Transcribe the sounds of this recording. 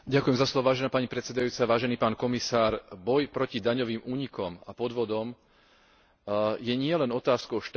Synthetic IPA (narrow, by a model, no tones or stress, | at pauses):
ɟakujɛmzaslɔʋɔʋaːʒɛnaːpaɲipɾɛt̪t͡ssɛd̪ajuːt͡saʋaːʒɛniːpaːnkɔmisaːɾbɔjpɾɔcid̪aɲɔʋiːmuːɲikɔmapɔd̪ʋɔd̪ɔm | jɛɲɪɛlɛnɔt̪aːskɔʊʃt̪